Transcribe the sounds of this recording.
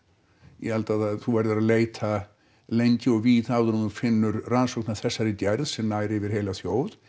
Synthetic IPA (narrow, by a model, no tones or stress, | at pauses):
jɛ̰halt̪aðaðθuvɛɾðʏɾaleːjt̪ʰa | lejɲcɪɔɣviːðaːwðɾunʏfɪnːʏɾransɔwknaθɛsːaɾɪc̪ɛɾðsɛmnaːjɾɪvɪɾ̥hɦejlaθjoːwð